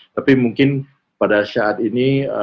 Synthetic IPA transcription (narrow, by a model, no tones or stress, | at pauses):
t̪apimuŋkɪn | padasaat̪iniə